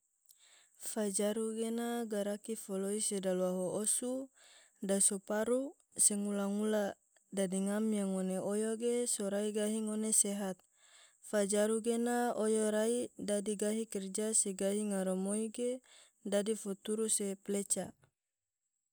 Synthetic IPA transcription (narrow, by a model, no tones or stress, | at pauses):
fad͡ʒaɾuɡenaɡaɾakifoloisedalwaɦoosu | dasopaɾu | seŋulaŋula | dadiŋamjaŋoneojoɡesoɾaiɡaɦiŋoneseɦat̪̚ | fad͡ʒaɾuɡenaojoɾaidadiɡaɦikɛrd͡ʒaseɡaɦiŋaɾomoiɡe | dadifot̪uɾuseplet͡ʃa